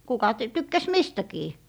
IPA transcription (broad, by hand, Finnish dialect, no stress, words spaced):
kukɑ t tykːæs mistækiː